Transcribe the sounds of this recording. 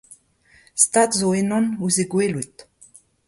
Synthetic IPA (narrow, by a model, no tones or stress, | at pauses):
st̪atzoenɔ̃nuzeɡwelit